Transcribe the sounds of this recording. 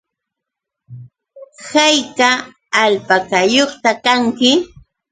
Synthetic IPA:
hajkaː | lpakajoχt̪akaŋkɪ

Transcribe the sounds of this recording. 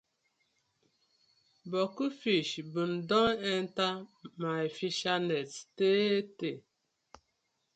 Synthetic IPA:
bɔkufiʃbun̩dɔŋɛn̩tamajfiʃanetteːete

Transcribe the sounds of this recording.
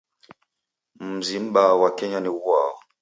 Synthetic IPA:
m̩zim̩ɓawakɛɲaniwwa̰ɔ

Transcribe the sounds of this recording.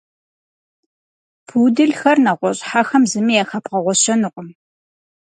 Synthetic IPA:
pʰuːdɨɮxɐrnɐʁʷɔɕʼħaxɐmzɨmijaxɐpqɐʁʷɔɕɐnɨqʷʼʊm

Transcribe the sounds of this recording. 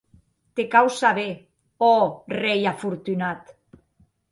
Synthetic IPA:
t̪ekawsaβe | ɔrejafuɾt̪ynat̪

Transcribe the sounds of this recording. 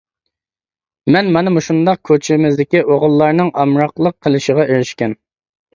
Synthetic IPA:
mɛnmɑnɨmuʃund̪ɑq̚kʲʰøt͡ʃʰɪmɪzd̪ɪkʲiʔoʁʊlˠːɑɾnɨŋɑmɾɑqlˠəqʰːəlˠɨʃəʁɑʔøɾyʃkʲɛn

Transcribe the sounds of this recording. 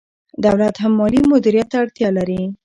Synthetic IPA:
d̪awlat̪hamːɑlimʊd̪iɾijat̪ːaɽt̪jɑlaɾi

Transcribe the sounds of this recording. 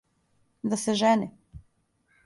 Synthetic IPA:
d̪asɛʒɛni

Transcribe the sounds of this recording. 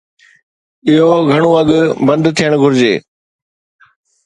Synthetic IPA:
ɪɦoɡʱɐɽ̃oɐɠʊbɐ̃nd̪t̪ʰijəɽ̃ɡʱʊɾd͡ʑeː

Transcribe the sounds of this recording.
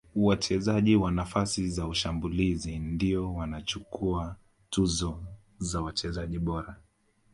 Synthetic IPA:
uwat͡ʃɛzaʄiwanafasizauʃambulizindiɔwanat͡ʃukua | tuzɔ | zawat͡ʃɛzaʄiɓɔɾa

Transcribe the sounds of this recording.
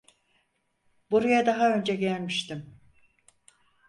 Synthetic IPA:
buɾujad̪aɦaø̞nd͡ʒɛɟælʲmiʃt̪im

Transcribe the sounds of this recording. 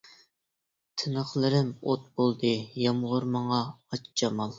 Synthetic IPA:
t̪ʰɨnəχlˠɨɾɪmot̪̚bolˠd̪ɨjɑmʁʊɾmɑɴɑɑt͡ʃt͡ʃɑmɑlˠ

